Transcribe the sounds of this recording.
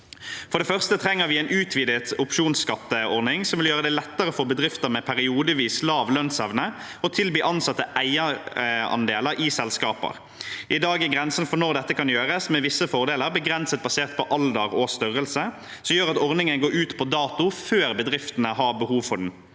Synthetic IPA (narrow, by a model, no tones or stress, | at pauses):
fɔɾɖ̪ɛfœʁst̪ət̪ʰɾɛŋːəʋɪɛnʉːt̪ʰʋiːd̪ət̪ʊpʃuːnskɑt̪ːəɔʁnɪŋsɔmʋɪljøːʁəd̪ɛlɛt̪ːəʁəfɔbəd̪ʁɪft̪əɾmɛpʰæɾɪuːd̪əʋiːslɑːʋlœnsɛʋnə | ɔt̪ʰɪlbiːʔɑnsɑt̪ːəʔæɪəɑ̰nd̪eːləɾʔɪsɛlskɑːpə̰ʁ | ʔɪd̪ɑːɡɪɡʁɛnsənfɔnɔɾd̪ɛt̪ːəkʰɑnjøːʁəsmɛʋɪsːəfɔʁd̪eːləɾbəɡʁɛnsət̪̚bɑseːʁt̪̚pʰɔʔɑld̪əʁɔst̪ʏʁəlsə | sɔmjøːɾɑt̪ɔʁnɪŋənɡoːɾʉːt̪pʰɔd̪ɑːt̪ʊføːɾbəd̪ʁɪft̪ənəhɑbəhuːʋfɔɖn̩